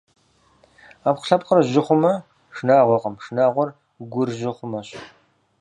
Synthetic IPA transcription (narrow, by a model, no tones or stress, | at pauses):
aːpqɬɐp̚qərʑɪχʷʊmɐ | ʂnaːʁʷɔqʼəmʂnaːʁʷɔr | ɡʷʊrʑɪχʷʊmɐɕʼ